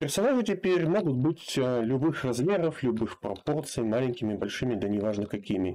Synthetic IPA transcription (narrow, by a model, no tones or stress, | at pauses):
pʲɪrsɐnaʐɨtʲɪpʲeɾʲmoɡʊt̪̚bɨtʲlʲʊbɨxrɐzmʲeɾəflʲʊbɨxpɾɐ̰port̪sɨjɪmalʲɪnʲkʲɪmʲɪbɐlʲʂɨmʲɪd̪ɐnʲɪvaʐnəkɐkʲimʲɪ